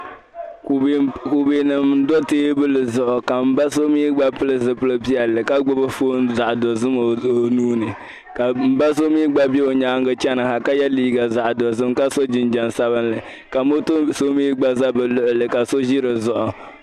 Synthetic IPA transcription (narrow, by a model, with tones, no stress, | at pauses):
ku˨beː˨nɨ˨m˦dɔ˦teː˦bɨ˦lɨ˨zʊ˨ʔʊ˨ka˨m̩˨ba˦so˦miː˦ɡ͡ba˦pɨ˦lɨ˦zɨ˨pɨ˦lɨ˦pi˦ɛ˨lːɨ˨ka˦ɡ͡bʊ˦bɨ˦foː˦nza˨ʔdɔ˨zɨ˦m˨nuː˦nɨ˨ | ka˨m̩˨ba˦s̬o˦miː˦ɡ͡ba˦be˦o˨ɲa˦ŋ˦ɡɨ˦t͡ʃɛ˦nɨ˨ha˨ka˦jɛ˦liː˦ɡa˨za˨ʔdɔ˨zɨ˦mka˦so˦d͡ʒi˨n˦d͡ʒa˨nsa˦βɨ˦nlɨ˨ | ka˨mo˦to˦so˦miː˦ɡ͡ba˦za˦bɨ˨lʊ˨ʔʊ˨lɨ˨ka˨so˦ʒi˦ɾɨ˨zʊ˨ʔʊ˨